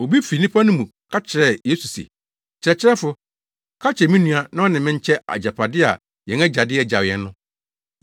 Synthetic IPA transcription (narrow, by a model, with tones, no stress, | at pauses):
o˨bi˦fi˨nĩ˦pʰa˦nʊ̃˦mũ˨kʰa˦t͡ɕʰɪ˨ɾɛ˦je˦su˨sḛ˨ | t͡ɕʰɪ˨ɾɛ˨t͡ɕʰɪ˦ɾɛ˦fʊ˦ | kʰa˦t͡ɕʰɛ˨mĩ˦nũ˦a˨nã˦ɔ˦nɪ̃˨mɪ̃˦ɲ̩˦t͡ɕʰɛ˦ʔa̰˨d͡ʑa˨pʰa˨dɪ˦a̰˨ | jɛ̃˨ŋɛ̃˦d͡ʑa˨dɪ˦ɛ˦d͡ʑa˨jɛ˨nː˦ʊ̃˦